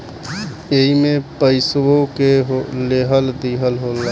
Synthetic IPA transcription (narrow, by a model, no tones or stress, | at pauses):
eɦimẽpəɪswõkeɦoleɦəld̪iːɦəlɦolːa